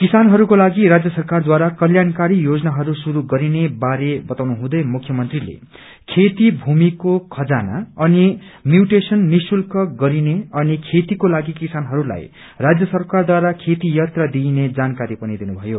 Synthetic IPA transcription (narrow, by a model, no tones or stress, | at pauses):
kisanɦʌɾukolaɡiɾad͡zjʌsʌrkard̪waɾakʌljankaɾijod͡zʌnaɦʌɾusuɾuɡʌɾinebaɾebʌt̪awnuɦũd̪ʌjmukʰjʌmʌnt̪rilḛ | kʰet̪ibʱumikokʰʌd͡zana̰ʌni | mjuʈesʌnːisulkʌɡʌɾineʌnikʰet̪ikolaɡikisanɦʌɾula̰j | rad͡zjʌsʌrkard̪waɾakʰet̪ijʌt̪rʌd̪ined͡zankaɾipʌnid̪inubʱʌjo